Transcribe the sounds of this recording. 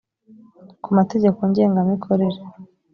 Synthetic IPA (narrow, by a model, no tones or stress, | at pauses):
kumate̞ɟe̞koɲɟe̞ːŋɡamikʰoɾe̞ɾe